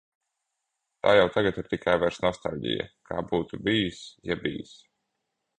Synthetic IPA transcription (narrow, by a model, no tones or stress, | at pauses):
t̪a̰ːjawt̪aɡat̪iɾt̪ikʰajvɛɾsnɔst̪a̰lʲɟḭja̰kʰaːbuːt̪ubijsjabḭːjḭs